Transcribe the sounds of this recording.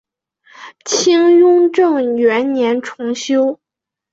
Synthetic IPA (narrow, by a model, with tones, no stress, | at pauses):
t͡ɕʰi˥ŋjʊ˥ŋʈ͡ʂɤ˥˩ŋɥɛ˧˥nnjɛ˧˥nʈ͡ʂʰʊ˧˥ŋɕjo˥ʊ